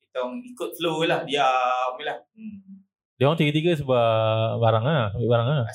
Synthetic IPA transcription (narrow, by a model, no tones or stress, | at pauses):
it̪aŋikʊt̪̚səlulahdiamilah | dawaŋt̪iɡət̪iɡəs̬əbabaɾaŋabaʔbaɾaŋa